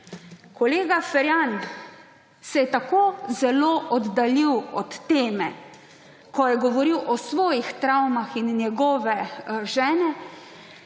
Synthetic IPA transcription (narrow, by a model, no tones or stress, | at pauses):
kɔleːɡafɛɾjan | sɛjɛt̪akoːzɛloːʔɔd̪ːaliwɔt̪ːeːmɛ | kɔjɛɡɔʋɔɾiwʔɔsʋɔːjixt̪ɾawmaxinːjɛɡɔːʋɛʒɛːnɛ